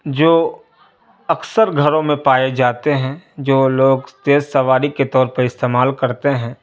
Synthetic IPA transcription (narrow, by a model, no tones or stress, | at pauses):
d͡ʒoː | ɐksəɾɡʱɐɾõmẽpaːed͡ʒaːt̪eɦɛ̃ːd͡ʒoːloːɡst̪eːssɐʋaːɾiket̪ɔːɾpəɾɪst̪eːmaːlkɐɾt̪eɦɛ̃ː